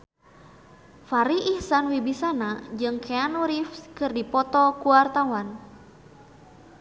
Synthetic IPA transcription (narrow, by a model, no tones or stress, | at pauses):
faɾiʔihsanwibisanad͡ʒɨŋkʰeanuɾifkɨrdipɔt̪ɔkuart̪awan